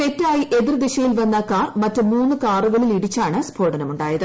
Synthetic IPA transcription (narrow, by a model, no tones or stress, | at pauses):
p̪e̞tːaːjiʔe̞ðird̪iɕɐjilʋɐnːɐkaːrmɐtːɨmuːnːukaːruɣɐɭiliɽit͡ɕːaːɳɨsbʰʱoːɽɐnɐmuɳɖaːjɐðɨ